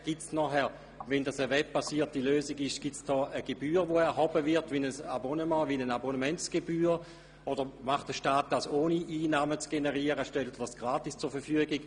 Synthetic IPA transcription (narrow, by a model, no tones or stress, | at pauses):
ɡ̥itsnɔχɛɐ | vɛndasəvɛb̚pːasiːɐtiløːziɡɪʃɡ̥itsd̥ɔːʔəɡ̥ebyːʁʋoɛɐɦobəvɪɐtvinəsabonəmɑ̃ːvinənabonəmɛnsɡ̥ebyːʁ | od̥əʁmaχtd̥əʃtaːt̚d̥asoːniʔiːnaːmət͡sɡ̥enəʁiəʁəʃtɛltd̥asɡ̥ʁaːtist͡suːɐfɛfyəɡiɡ̥